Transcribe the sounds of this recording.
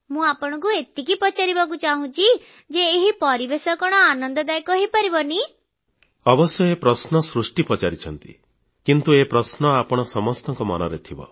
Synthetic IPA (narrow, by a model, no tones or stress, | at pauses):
mũapɔɽ̃ɔ̃ŋk̬uet̪ikipɔt͡ʃaɾibakut͡ʃaɦũt͡ʃʰi | d͡ʒeːɦipɔɾibesɔkɔɽ̃ɔanɔnd̪ɔd̪ajkɔɦipɔɾibɔni | ɔbɔsjɔepɾɔsnɔsɾusʈipɔt͡ʃaɾit͡ʃʰɔnt̪ḭ | kint̪uepɾɔsnɔapɔɽ̃ɔsɔmɔst̪ɔŋkɔmɔnɔɾet̪ʰibɔ̰